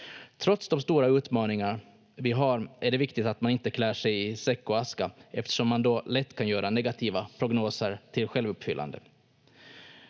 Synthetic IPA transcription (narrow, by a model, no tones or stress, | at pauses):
t̪ʰɾɔt̪sd̪ɔmst̪uːɾaʉ̟ːt̪mɑːnɪŋa | vɪɦaɾʔæɖɛvɪkt̪ɪt̪at̪manɪnt̪əkʰlæːʂɛjɪsɛkːɔaskaʔɛft̪ə̥ʂɔmːand̪ɔlɛt̪ːkʰanjœːɾʔanɛɡat̪ʰiːvapʰɾʊɡnoːsəɾt̪ʰɪlɧɛlvɵpːfʏlːa̰nd̪ə̰